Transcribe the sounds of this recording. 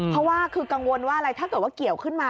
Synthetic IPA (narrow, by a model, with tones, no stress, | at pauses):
pʰɾɔ˦˥waː˥˩kʰɯː˧ka˧ŋwo˧nwaː˥˩ʔa˧ɾa˧jt̪ʰaː˥˩kɤː˨˩t̪̚waː˥˩ki˨˩əwkʰɯ˥˩nmaː˧